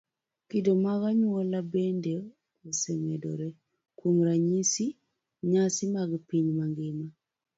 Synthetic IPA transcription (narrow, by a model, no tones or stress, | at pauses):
kidomaɣaɲwɔlabende | osemɛdɔ̰ɾɛ | kwomɾaɲisi | ɲasɪmaɡpiɲmaŋɡɪma